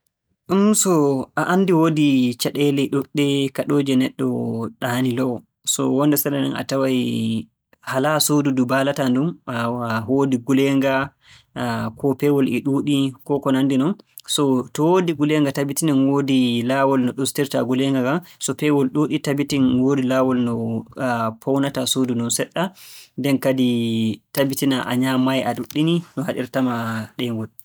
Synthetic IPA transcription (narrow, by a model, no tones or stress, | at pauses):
ʔumsɔʔaʔanːdiwoːdit͡ʃaɗɛlɛɗuɗːɛkaɗoːd͡ʒɛnɛɗːɔ̰ɗanilɔw | sɔ̰wɔndɛsanana̰nʔa̰tawaj | halasodudubalatandumaɦodiɡulɛŋɡa | kʰɔpɛwɔlʔɛɗuːɗikɔkɔnandinɔnsɔtɔwodiɡulɛŋɡatabitinanwoːdilawɔlnɔɗustiɾtaɡulɛŋɡaɡamsɔpɛwɔlɗuɗitabitinwoːdilaːwɔlnɔ | pʰɔwnatasodunɔnsɛɗːandɛnkaditabitinaʔa̰ɲamajaɗuɗːininɔhaɗḭɾtamaɗɛŋɡɔd